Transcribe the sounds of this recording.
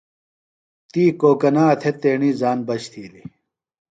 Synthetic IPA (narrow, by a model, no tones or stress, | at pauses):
t̪iːkoːkɐnaːt̪ʰet̪eːɳizaːnbɐɕt̪ʰiːli